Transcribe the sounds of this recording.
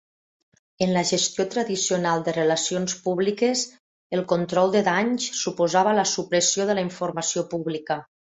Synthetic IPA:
ənləʒəst̪jot̪ɾəðisionalˠd̪ərəlasionspuβlikəz | əlˠkont̪ɾɔlˠd̪əðaɲssupozaβələsupɾəsioðələiɱfuɾmasiopuβlikə

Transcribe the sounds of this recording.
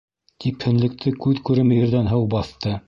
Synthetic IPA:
t̪iphɘ̆nlɘ̆k̚t̪ʰɘkʉðkʉɾɘmɘ̆jɘ̆ɾðænɦɤwbɑθt̪ɤ

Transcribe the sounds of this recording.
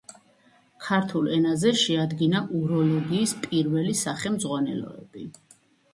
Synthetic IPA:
kʰaɾt̪ʰulˠɛnazɛʃɛad̪ɡinaʔuɾɔlɔɡiːspʼiɾvɛlisaχɛmzʁwanɛ̰lɔ̰ɛb̥i

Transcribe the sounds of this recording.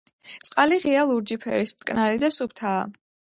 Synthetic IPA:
t̪sʼqʼaliʁialˠuɾd͡ʒipʰɛ̰ɾismt̪ʼkʼnaɾid̪asup̚ʰt̪ʰaː

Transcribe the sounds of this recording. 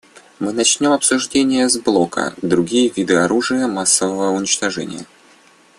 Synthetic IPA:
mɨnɐt͡ɕnʲo̞mɐpsʊʐdʲenʲɪjəzblˠo̞kə̰d̪ɾʊɡʲijəvʲid̪ɨɐɾuʐɨjəmasːəvəvəʊnʲɪt͡ɕt̪ɐʐɛ̰nʲɪ̰jə̰

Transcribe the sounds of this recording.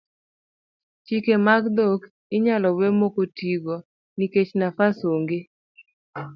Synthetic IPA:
t͡ʃikemaɡd̪ok | ɪɲalɔwemokotiɡɔ | niket͡ʃnafasoŋɡe

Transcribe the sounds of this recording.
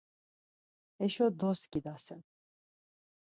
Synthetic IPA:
ɛʃɔd̪ɔskʼid̪asɛn

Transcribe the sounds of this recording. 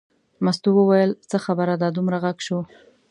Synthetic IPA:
mast̪uwəwajəlt͡səxabəɾad̪ɑd̪umɾaɣaɡʃo

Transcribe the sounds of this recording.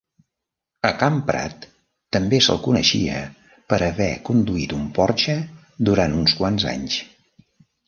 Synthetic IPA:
əkampɾa̰t̪ː | əmbesə̰lˠkunə̰ʃḭə | pəɾəβɛkund̪uit̪umpɔɾt͡ʃə | d̪uɾant̪unskwanza̰ɲs

